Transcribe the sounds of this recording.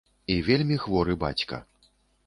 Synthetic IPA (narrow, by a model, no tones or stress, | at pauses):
ivʲelʲmʲixvɔɾɨba̰t͡sʲkɐ̰